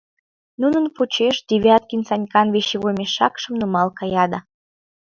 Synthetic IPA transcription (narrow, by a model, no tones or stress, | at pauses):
nunənput͡ɕeʃd̪ʲiβʲɑt̪̚kinsɑnʲkɑnβeʃeɣomeʃːɑkʃə̆mnumɑlkɑjɑd̪ɑ